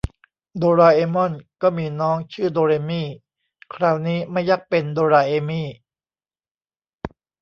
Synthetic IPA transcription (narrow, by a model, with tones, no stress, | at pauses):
doː˧ɾaː˧ʔeː˧mɔ˥˩nkɔː˥˩miː˧nɔː˦˥ŋt͡ɕʰɯː˥˩doː˧ɾeː˧miː˥˩ | kʰɾaː˧˩wniː˦˥ma˥˩jːaː˥˩k̚pe˧ndoː˧ɾaː˧ʔeː˧miː˥˩